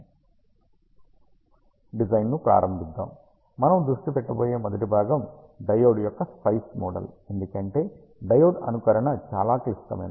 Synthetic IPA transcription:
ɖid͡ʒɐjnnupɾa̰ːɾɐmbʱid̪ːa̰ːmː | ɐnɐmd̪ɾuʂʈipɛʈːɐpoːje̞ːmɐd̪ɐʈibʱaːɡɐm | ɖɐjoːɽjɔkːɐspɐjsmɔːɖɐ̰le̞nd̪ukɐɳʈe̞ː | ɖɐjoːɖɐ̰nukɐɾɐɳɐt͡ʃa̰ːlaːkɐst̪ɐ̰mḛːna

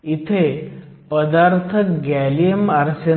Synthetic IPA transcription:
it̪ʰe | pəd̪aɾt̪ʰəkɡæliəmaɾsə

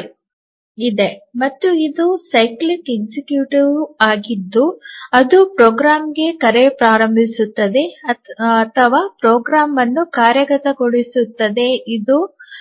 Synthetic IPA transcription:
id̪e̞mɐt̪ːuid̪usɐjklikeɡsikjuːʈiʋaːɡid̪ːuɐd̪upɾoːɡɾaːmɡe̞kɐɾepɾaːɾɐmbʱisut̪ːɐd̪e̞ | ɐt̪ʰɐʋaːpɾoːɡɾaːmɐnːukaːɾjɐɡɐt̪ɐɡoɭisut̪ːɐd̪e̞id̪u

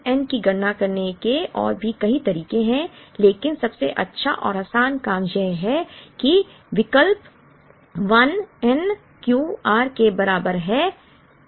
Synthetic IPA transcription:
ɛnkiɡɐɽnakɐɾnekeɔ̰ːɾbʱikɐɦit̪ɐɾiːkẽɦɛ̃leːkɪnsɐbseʔɐtːʃʰaʔɔːɾaːsaːnkaːmd͡ʒɛɦɦɛki | ʋɪkəlp | ʋɐnɛn | kjuːaːɾkebɐɾaːbəɾɦɛː

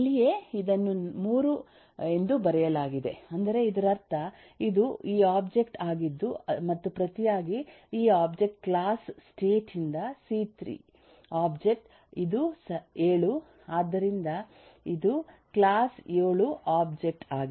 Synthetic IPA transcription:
lije̞id̪ɐnːumuːɾu | e̞nd̪ubɐɾɛjɐlaːɡid̪e̞ɐnd̪ɐɾe̞id̪ɐɾɐɾt̪ʰɐ | id̪uiːaːbd͡ʒe̞kʈaːɡid̪ːumɐt̪ːupɾɐt̪ijaːɡiiːaːbd͡ʒe̞k̚ʈklaːsːʈe̞ːʈind̪ɐsiːt̪ɾḭː | aːbd͡ʒe̞k̚ʈ | id̪useːɭu | aːd̪ːɐɾind̪ɐ | id̪uklaːsjeːɭuʔaːbd͡ʒe̞k̚ʈaːɡi

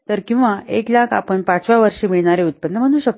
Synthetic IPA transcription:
t̪əɾkĩw̃ʋaʔeklakʰa̰pəɳpat͡sʋaʋəɾʂimiɭɳaɾeut̪̚pənːəm̤əɽ̃ũːɕək̚t̪

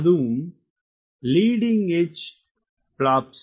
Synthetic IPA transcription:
ðum | liːɖiŋɡet͡ʃ | plaːps

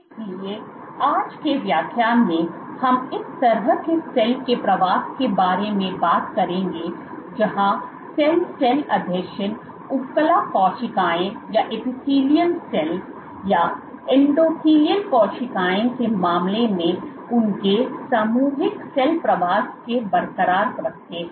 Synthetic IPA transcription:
lie | aːd͡ʒkeʋjaːkʰjaːnmẽ | hɐmɪst̪ɐɾəkesɛlkepɾɐʋaːskebaːɾemẽbaːt̪kɐɾẽːŋɡe | d͡ʒɐɦã | sɛlsɛlɐd̪ʱjəkʃən | ʊpkəlakɔːʃɪkaːẽjaʔepɪsiːlijənsɛl | ja | ɪ̃ɳɖoːkiːlijəlkɔːʃɪkaːjẽkemaːmlemẽ | ʊnkesaːmuːɦɪksɛlpɾɐʋaːskebɐɾkəɾaːɾkɾɐk̚ʰt̪eː

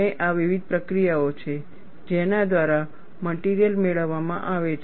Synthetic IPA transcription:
eʔaʋiʋid̪̚ʱpɾəkɾijaot͡ʃʰe | d͡ʒenad̪ʋaɾa | məʈiɾijəlmeɭəʋːamã̰ʔaʋet͡ʃʰ

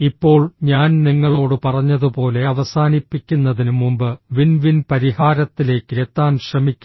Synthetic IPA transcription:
ipːo̞ːɭɲaːnniŋːɐɭo̞ːɽɨpɐrɐɲːɐðɨpo̞ːle̞ɐʋɐsaːnipːikʲːunːɐðinumumbɨʋinʋinpɐɾihaːɾɐt̪ːile̞ːkːɨɾet̪ːaːnʂrɐmikʲː

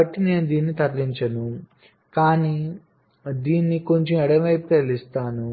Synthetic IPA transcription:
ɐʈːine̞ːnud̪iːnːit̪ɐɾliɲt͡ʃɐnu | kaːniː | d̪iːnːiko̞ɲt͡ʃemɛɽɐmɐjpukelist̪aːnu

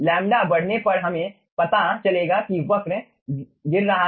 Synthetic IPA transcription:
lɛ̃ːmɖabɐɽ̤nepɐɾɦɐmẽ | pɐt̪at͡ʃɐleːɡakiʋɐkɾ | ɡɪɾːɐɦa

